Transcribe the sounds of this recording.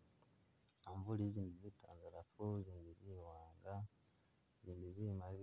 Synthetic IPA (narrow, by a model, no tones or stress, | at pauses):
aɱvuliziːndizita̰ːndaɾafuziːndiziwaːŋɡa | ziːndizimali